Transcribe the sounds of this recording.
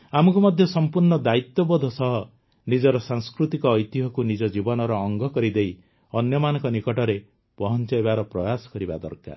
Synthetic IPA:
amɔŋkumɔd̪ʱjɔsɔmpuɾɳɔd̪ait̪jɔbɔd̪ʱɔsɔɦɔ | nid͡ʒɔɾɔsaŋskɾut̪ikɔːjt̪iɦɔkunid͡ʒɔd͡ʒibɔnɔɾɔːŋɡʱɔkɔɾid̪ej | ɔnjɔmanɔ̃ŋkɔnikɔʈɔɾe | pɔɦɔnt͡ʃɔjbaɾɔpɾɔjasɔ̥kɔɾibad̪ɔ̰ɾka̰

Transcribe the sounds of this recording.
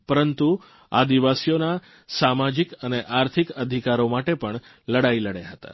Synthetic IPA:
pəɾənt̪u | a̰d̪iʋasijona | samad͡ʒikəneʔaɾt̪ʰikəd̪ʱikaɾomaʈepəɳ | ləɽailəɽjeɦət̪a̰

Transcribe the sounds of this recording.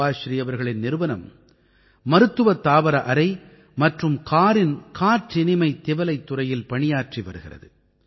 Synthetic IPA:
aːʃɪɾɪjɐʋɐɾɣɐɭɪnnɪɾɯʋɐnɐmː | ɐɾɯt̪ːɯʋɐt̪ːaːʋɐɾɐʔɐɾɐɪ | mɐʈrɯmkʰaːɾɪnkaːʈːɪnɪmɐɪt̪ːɪʋɐlɐɪt̪ːʊrɐjɪlpɐɳɪjaːrʈriʋɐ̰ɾɯɣɪrɐ̰ðɯ

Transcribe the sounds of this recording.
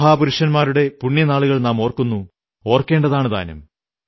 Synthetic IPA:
ɦaːpuɾuʂɐnmaːɾuɽe̞puɳːjɐnaːɭuɣɐɭnaːmo̞ːrkːunːu | o̞ːrkːe̞ːɳɖɐðaːɳɨða̰ːnɐ̰m

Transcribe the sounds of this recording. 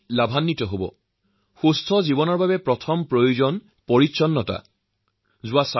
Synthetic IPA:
labʱanːitɔɦobɔ̰ | xustʰɔzibɔnɔɹbabɛpɹɔtʰɔmpɹojuzɔn | pɔɹitːsɔnːɔta̰ | zʊwasa

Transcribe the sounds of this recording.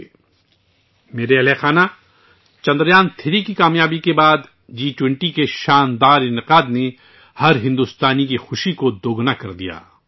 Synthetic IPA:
meːɾeɐlexaːna | t͡ʃɐ̃nd̪ɾjaːnt̪ʰɪɾikikaːmjaːbikebaːd̪ | d͡ʒiːʈwɪ̃ɳʈikeʃaːnd̪aːɾɪ̃nɪqaːd̪ne | hɐɾɦɪ̃nd̪ʊst̪aːnikixʊʃikod̪oːɡnakɐɾd̪ija̰ː

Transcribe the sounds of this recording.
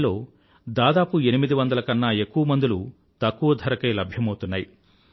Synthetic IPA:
lo̞ː | d̪aːd̪aːpue̞nimid̪iʋɐnd̪ɐlɐkɐnːaːe̞kːuʋɐmɐnd̪ulu | t̪ɐkːuʋɐd̪ʱɐɾɐkɐːlɐbʱjɐmɐwt̪unːaːji

